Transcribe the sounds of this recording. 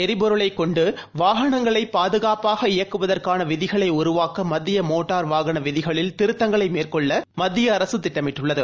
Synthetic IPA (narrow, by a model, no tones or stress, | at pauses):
ɛɾɪpɔɾɯɭɐɪkːɔɳɖɯʋaːɣɐɳɐŋɡɐɭɐɪpaːðɯɣaːpaːɣɐɪjɐkːɯʋɐðɐrkaːnɐʋɪðɪɣɐɭɐɪʊɾʊʋaːkɐmɐd̪ːɪjɐmoːʈːaːɾʋaːɣɐɳɐʋɪðɪɣɐɭɪlt̪ɪɾɯt̪ːɐŋɡɐɭɐɪmeːrkɔɭːɐmɐd̪ːɪjɐːɾɐsɯt̪ːɪʈːɐmɪʈːɯɭːɐðɯ